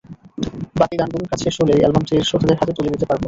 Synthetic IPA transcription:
bat̪id̪anbuneɾkat͡ɕʰeʃoleɛlbamt͡ɕiɾʃot̪ʰːod̪eɾɦat̪et̪oled̪it̪epaɾbo

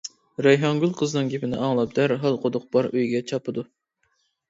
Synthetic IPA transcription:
ɾɛjɦɑŋɡʲylˠqʰəznɨŋɡʲepɪnɪ̰ɑŋlˠɑp̚d̪æɾɦɑlˠqʰod̪ʊq̚b̥ɑɾøjɡʲɛt͡ʃʰɑpɨd̪u

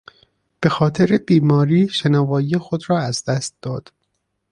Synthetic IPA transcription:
b̥e̞xɒːt̪ʰeɾebiːmɒːɾiːʃenɒːvɒːije̞xod̪ɾɒːæzd̪æst̪̚d̪ɒːd̪̥

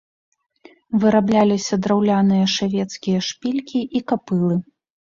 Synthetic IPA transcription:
vɨɾablʲalʲisʲɐd̪ɾawlʲanɨjɐʂavʲɛt̪skʲijɐʂpʲilʲkʲiʔikapɨlˠɨ

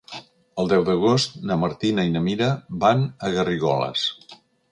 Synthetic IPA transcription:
əlˠd̪ɛwd̪əɣ̞ost̪nəməɾt̪inəinəmiɾəbanəɣəriɣɔlə̰s

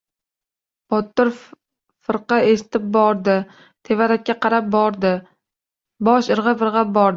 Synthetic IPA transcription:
bɒt̪ːɪɾ | fɨɾqɑeʃɪ̥t̪ʰɪp̚bɒɾd̪ɪ | t̪ʰe̞vaɾakʲːaqɑɾap̚bɒɾd̪ɪ | bɒʃɪɾʁɨfɨɾʁɑp̚bɒɾd̪ɪ

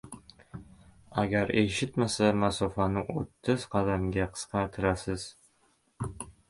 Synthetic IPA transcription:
aɡʲaɾeʃɪt̪masamasofanɪʔo̰t̪ʰːɪz̥qʰɑd̪amɡʲaqʰɨ̥sqʰɑt̪ʰɪɾasɪz̥

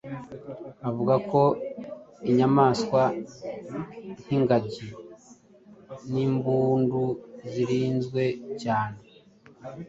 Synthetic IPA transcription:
avuɡako̞ | iɲamaːskwa | n̥hiŋɡaɟi | niːmbuːnduziɾiːnzɡwe̞caːne

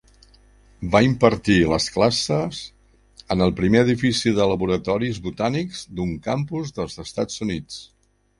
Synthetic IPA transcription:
baimpəɾt̪iləsklasəz | ənəlˠpɾimeəðifisiðələβuɾət̪ɔɾizβut̪anikzd̪uŋkampuzðəlˠzəst̪ad͡zunit͡s

